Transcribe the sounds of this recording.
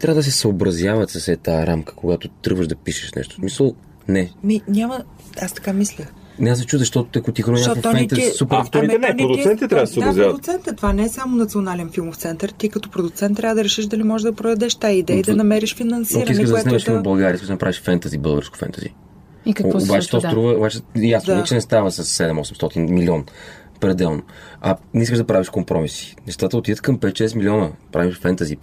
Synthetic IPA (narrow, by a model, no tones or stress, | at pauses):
t̪ɾʲavəd̪əs̬ɛsəobɾɐzjavət̪sɐsɛt̪aɾamkə̥koɡat̪ʊt̪ɾɤ̰ɡvəʒd̪ɐpiʃɛ̥ʃnɛ̰ʃt̪o̥smisəlˠ | nɛmiɲʲamə | ast̪ɐ̥kamislʲə | nɛasɛt͡ʃuzɐʃt̪ɔt̪ʊ̥t̪ɐkot̪ixoɾaɔsɔfit̪ɐzsupɾft̪iɛnɛnɾd̪ʊksɛnt̪it̪ɛt̪ɾavssobɾzavd̪ʊkt̪sɛnt̪ət̪ovanɛɛsamʊnɐt̪sionalɛnfilˠmoft̪sɛnt̪əɾt̪ikɐt̪ɔpɾod̪ʊt̪sɛnt̪ːɾʲjavəd̪ɐɾɛʃiʃd̪ɐlimɔʒɛʒd̪ɐpɾod̪ɐd̪ɛʃt̪aid̪jəid̪ɐnɐmɛɾiʃfinɐnsɔiɾɐinskəʒd̪ɐɛnɛlɛʃfimobɐlˠɡaɾiiskəʃʒd̪ɐnɐpɾaviʃfɛnt̪əzibɤlˠɡə̰ɾskʊ̥fɛ̰nt̪əzḭ | kɐkv̰ːbat͡ʃɛ̥t̪ɔst̪ɾuvəobat͡ʃɛjasnvɛt͡ʃɛnɛst̪avəsɐsːɛd̪ɛmɔsɛmst̪ɔt̪inmilʲiɔn | pɾɛd̪ɛlˠnoɐ̰nis̬kəʒd̪ɐpɾaviʃkompɾɔmisi̥nɛʃt̪at̪əot̪id̪ət̪kɐmpɛt̪ːʃɛsmilʲiɔnəpɾa̰viʃfɛnt̪əzi